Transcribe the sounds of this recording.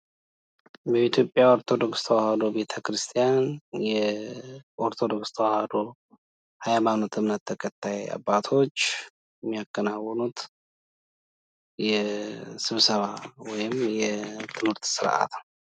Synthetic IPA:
bəit̪ʰjo̞pʼːjao̞ɾt̪ʰo̞d̪o̞kst̪ʰəwahad̪o̞be̞t̪ʰəkɾɨst̪ʰijanjɛ | ʔoɾt̪ʰo̞d̪o̞kst̪ʰəwahad̪o̞ | hajmanot̪ʰɨmnət̪ʰːəkʰʼət̪ʰːaja̰bːat̪ʰo̞t͡ʃː | mːijakʼːənawːənut̪ | jɛsɨβsəβawɔjɪmjɛt̪ʰɨmɨɾt̪sɨɾʔa̰t̪

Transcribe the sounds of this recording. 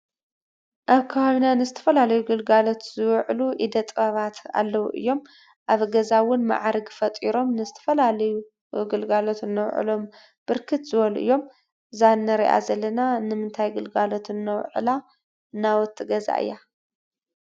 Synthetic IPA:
ʔaβkʰaβaβinanɨzɨt̪ʰɐ̥fɐlalɐjuɡɨlɡalo̞t̪zɨwʕluʔid̪ɐt̪ʼɐβat̪a̰lːɐwṵʔɨ̰jːo̞m | ʔaβɡɐzawʊnma̰ʕɾɡfɐt̪ʼiɾo̞mnɨzɨt̪ʰɐ̥fɐlalɐju | ɡɨlɡalo̞t̪ɨnːɐwʕɨ̰lo̞m | b̥ɨɾkʰɨt̪zɨβɐluʔɨ̰jːo̞m | zanːɐɾḭʔa̰zɐlːɐnanɨmɨnt̪ʰajɡɨlɡalo̞t̪ɨnːɐwʕɨ̰la | nawɔt̪ʰːɨɡɐza̰ʔɨ̰jːa

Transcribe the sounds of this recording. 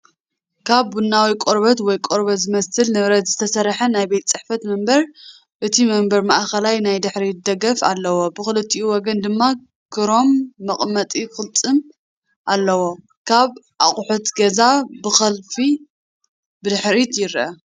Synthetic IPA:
kʰaβːunːawikʼoɾbɐt̪wɔjkʼoɾbɐt̪zɨmɐsɨlnɨβɾɐt̪zɨt̪ʰɐsɐɾħɐnajbejt̪t͡sʼɨħfɐt̪mɐmbɐɾ | ʔɨt̪ʰimɐmbɐɾmaʔxɐlajnajd̪ɨħɾid̪ɐɡɐfa̰lːɐwobɨxɨlɨt̪ʰʼːiʔuwɔɡɐnd̪ɨmːa | kɨɾo̞mːɐχʼmɐt̪ʼikɨlt̪ʼɨm | ʔalːɐwo̞ | kʰaβʔaχʼʊħut̪ɡɐzabɨxɐlfi | bɨd̪ɨħɾit̪jɪɾʔɐ

